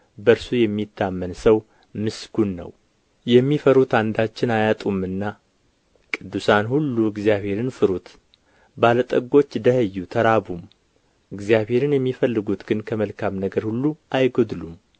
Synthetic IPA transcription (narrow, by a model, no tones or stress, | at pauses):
bəɾsujɛmːit̪ʰːamːənsəw | mɨsɡunːə̰w | jɛmːifəɾut̪and̪at͡ʃːɪnajat̪ʼumɨnːa | kʼɨd̪ːusanhulːuɨɡzjaβhe̞ɾɨnfɨɾut̪ | balət̪ʼəɡo̞t͡ʃːd̪əhəjːut̪ʰəɾabum | ɨɡzijaβhe̞ɾɨnjɛmːifəlːɨɡut̪ɡɨnkʰəməlkʰamnəɡəɾhulːuajɡod̪lum